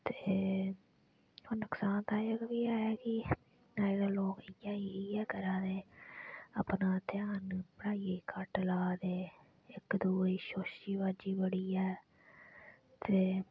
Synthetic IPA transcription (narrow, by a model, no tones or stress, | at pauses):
t̪e | oːnəksaːnt̪ãːjəkʋiːaːjaːkɪ | naːidaːloːkɪjaːiːɪjɛːkəɾãːneː | apnãːt̪ɪjaːnpəɽaːieːkʰəʈlaːd̪eː | ɪkd̪uːiːʃoːʃiːbaːd͡ʒiːbəɽiːɛː | t̪eː